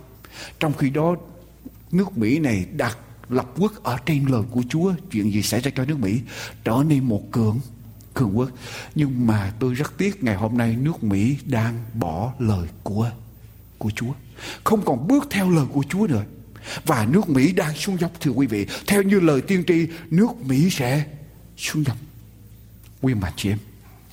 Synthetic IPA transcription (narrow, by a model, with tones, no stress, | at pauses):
t͡ɕɔ˧wŋ͡mxi˧ɗɔ˨˦ | nɨ˦˥ək̚mḭ˧˥na˨˩jɗaː˨˩t̚ | lə˨˩p̚ki˦˥ək̚ʔəː˧˩t͡ɕe˧nləː˨˩jku˧˩ət͡ɕu˨˦ət͡ɕwḭ˧˨ənzi˨˩sɛ̰˧˥zaː˧t͡ɕɔ˧nɨ˦˥ək̚mḭ˧˥t͡ɕəː˧˩ne˧nmo˨˩t̚kɨ˧˩əŋ | kɨ˨˩əŋʔɨ˦˥k̚ɲɨ˧ŋmaː˨˩t̪o˧jzə˦˥t̚t̪i˦˥ət̚ŋa˨˩jɦo˧mna˧jnɨ˦˥ək̚mḭ˧˥ɗaː˧ŋɓɔ˧˩ləː˨˩jku˧˩ə | ku˧˩ət͡ɕu˨˦ə | xə˧wŋ͡mkɔ˨˩nɓɨ˦˥ək̚t̪ʰɛ˧wləː˨˩jku˧˩ət͡ɕu˨˦ənɨ̰˧˨˩ə | vaː˨˩nɨ˦˥ək̚mḭ˧˥ɗaː˧ŋsu˧ŋza˨˩wk͡p̚t̪ʰɨ˧əkwi˨˦vḭ˧˨t̪ʰɛ˧wɲɨ˧ləː˨˩jt̪i˧əŋt͡ɕi˧˨nɨ˦˥ək̚mḭ˧˥sɛ̰˧˥ | su˧nza˨˩wk͡p̚ | kwi˧ənma̰˨˩ŋt͡ɕḭ˧ʔɛ˧m